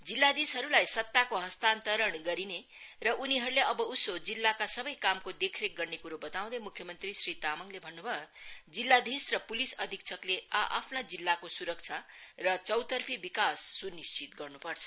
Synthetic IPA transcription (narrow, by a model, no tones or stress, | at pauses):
d͡zilːad̪isɦʌɾulajsʌt̪ːakoɦʌst̪ant̪ʌɾʌɳɡʌɾine | rʌʔuniɦʌɾuleʌbʌusod͡zilːakasʌbʌjkamkod̪ekʰɾek̚ɡʌrnekuɾobʌt̪aw̃d̪ʌmukʰːjʌmʌnt̪risrit̪amʌŋlebʱʌnːubʱʌd͡zilːad̪isrʌpulisʌd̪ʱik̚t͡sʰʌkleaʔa̰pʰnad͡zilːakosuɾʌk̚t͡sʰarʌt͡sʌwt̪ʌrpʰibikasːunist͡sit̪ɡʌrnupʌrt͡sʰʌ̥